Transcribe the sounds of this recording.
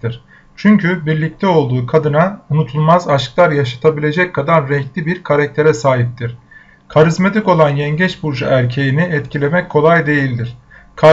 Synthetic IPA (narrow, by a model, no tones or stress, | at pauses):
iɾ̥ | t͡ʃʰyɲcʰybiɾlʲic̚t̪ʰɛo̞lˠd̪uːkʰad̪ɯnaunut̪ʰulˠmazaʃklˠaɾjaʃḁt̪ʰabilʲe̞d͡ʒɛckʰːad̪anɾɛclʲibiɾkʰaɾac̚t̪ʰe̞ɾɛsaːɦip̚t̪ʰiɾ̥ | kʰaɾizmat̪ʰiko̞lˠanjɛɲɟɛt͡ʃbuɾd͡ʒa̰ʔæɾcʰe̞jiniɛt̪cʰilʲe̞mɛc̚kʰo̞lˠajd̪e̞jilʲd̪iɾ̝̥ | kʰa